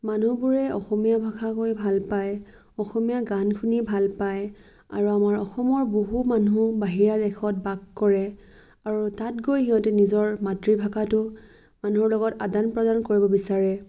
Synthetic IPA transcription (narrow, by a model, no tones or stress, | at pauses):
manubuɹɛɔ̰xɔmijabʱakʰakojbʱalpaj | ɔxɔmijaɡankʰunibʱalpaj | a̰ɹuamaɹɔxɔmɔɹboɦumanubaɦiɹadɛkʰɔt̚baɡkɔɹɛ | aɹutatɡojhiɦɔtɛnizɔɹmatɹibʱakʰatʊ | manuɦɔɹlɔɡɔtadanpɹɔdankoɹibɔbisaɹɛ